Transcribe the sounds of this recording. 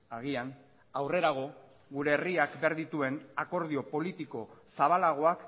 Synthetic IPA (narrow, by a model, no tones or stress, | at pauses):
aɣian | awre̞ɾaɣ̞o̞ | ɡuɾe̞ːriakbeaɾðit̪ue̞nako̞ɾð̞io̞po̞lit̪iko̞saβ̞alaɣ̞o̞ak